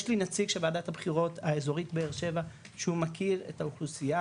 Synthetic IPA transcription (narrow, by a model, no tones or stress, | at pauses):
ʃlinat͡siɡʃebaːdathabχiʁo̞taezo̞ʁitbeeʁʃe̞va | ʃeumakʰiʁe̞̰tauχlusija